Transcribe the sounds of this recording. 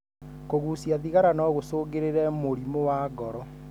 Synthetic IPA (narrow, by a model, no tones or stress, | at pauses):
koɣusiaðiɣaɾanɔɣosoɣeɾeɾɛmoɾimowaːɡɔɾɔ